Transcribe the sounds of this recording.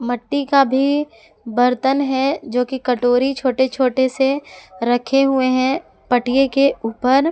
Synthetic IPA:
mɐʈːikabʱi | bəɾt̪ənɦɛd͡ʒoːkikɐʈoːɾit͡ʃʰoːʈet͡ʃʰoːʈeseɾəkʰeɦʊeɦɛ̃ | pɐʈijekeuːpəɾ

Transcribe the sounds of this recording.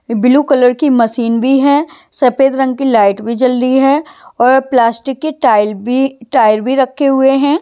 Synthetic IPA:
bɪlukɐləɾkimɐsiːnbʱiɦɛ̃ːsɐpeːd̪ɾɐ̃ŋɡ̚kilaːɪʈbʱid͡ʒɐld̪iɦɛɔːɾplaːsʈɪkːeʈaːɪlbiʈaːɪɾbʱiɾɐkʰːeɦʊeɦɛ̃ː

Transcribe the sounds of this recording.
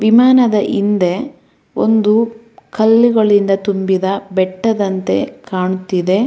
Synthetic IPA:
ʋimaːnɐd̪ɐʔind̪e̞ | o̰nd̪u | kɐlːiɡɐɭind̪ɐt̪umbid̪ɐbɛʈːɐd̪ɐnt̪e̞̰kaːɳut̪ːid̪e̞

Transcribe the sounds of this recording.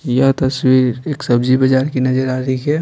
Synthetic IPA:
jat̪ɐswiːɾeːksɐbd͡ʒibɐd͡ʒaːɾkinɐd͡ʒəɾaːɾiikɛː

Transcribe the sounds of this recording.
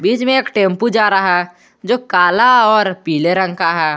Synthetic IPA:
biːt͡ʃmẽeːkʈẽːmpud͡ʒaːɾaɦa | d͡ʒoːkaːlaɔːɾpiːleɾə̃ŋkaɦɛː

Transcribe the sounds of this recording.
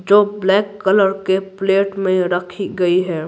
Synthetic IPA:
d͡ʒoːblɛːkːələɾkepleːʈmẽɾəkʰiɡəiɦɛː

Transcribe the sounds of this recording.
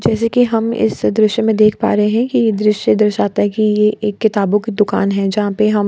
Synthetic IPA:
d͡ʒɛːs̬ekiɦɐmɪ̰sd̪ɾɪʃjəmẽd̪eːkʰpa̰ːɾɦeɦɛ̃kijed̪ɾɪʃjed̪ɐɾʃaːt̪aɦɛ̃kijeʔeːkːɪt̪aːbõkid̪ʊka̰ːnɦɛ̃d͡ʒɐɦãpeɦɐm

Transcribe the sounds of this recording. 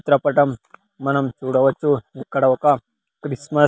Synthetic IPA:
ut̪ɾɐpɐʈɐmː | ɐnɐmt͡ʃuɽɐʋɐt͡ʃuekːɐɽɐʋka | kɾismɐ

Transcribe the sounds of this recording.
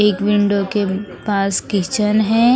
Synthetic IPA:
eːkʋɪ̃ɳɖokepaːskɪt͡ʃənɦɛː

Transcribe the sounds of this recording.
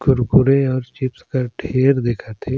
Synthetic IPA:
kʊɾkʊɾẽɔːɾt͡ʃɪpskɐɾʈʰeːɾd̪eːkʰat̪ʰeː

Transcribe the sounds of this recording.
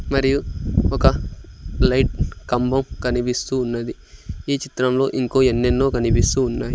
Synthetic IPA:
mɐɾijuɔkɐ | lɐjʈ̚kɐmbɐmkɐnipist̪uːnːɐd̪i | iːt͡ʃit̪ɾɐmlo̞ːʔiŋko̞ːenːenːoːkɐnipist̪uːnːaːji

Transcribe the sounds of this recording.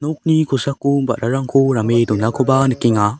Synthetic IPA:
nok̚nikʰusakːubɐ̰ɾaɾaŋkʰuɾamedumnakʰobanɯkiŋa

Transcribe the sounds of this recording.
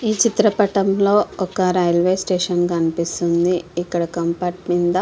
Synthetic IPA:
iːt͡ʃit̪ɾɐpɐʈɐmlo̞ːɔkɐɾɐjɐlʋeːsʈeːʂɐnkɐnipist̪und̪iːkːɐɽɐkɐmpɐʈmind̪ɐ

